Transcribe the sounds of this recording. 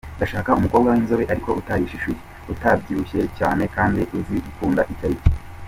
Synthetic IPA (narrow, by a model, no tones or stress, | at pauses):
ndaʃaːkaumuko̞ːbɡawinzoβeʔaɾiko̞ʔutajiʃiʃuje | utabɟiɾuʃe̞ca̰ːne̞kaːndiʔuziukuːnda̰ʔicaɾice̥